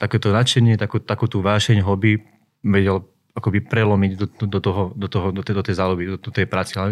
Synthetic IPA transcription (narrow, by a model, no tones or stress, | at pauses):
t̪akɛːt̪ɔnat͡ʃɛɲɪɛt̪akuːt̪akuːt̪uːʋaːʃɛɲɦɔbi | ʋɛɟɛl | akɔbipɾɛlɔmiɟd̪ɔd̪ɔt̪ɔɦɔd̪ɔt̪ɔɦɔd̪ɔt̪ɛd̪ɔt̪ɛjzaːlubid̪ɔt̪ɛjpɾaːt͡sialɛ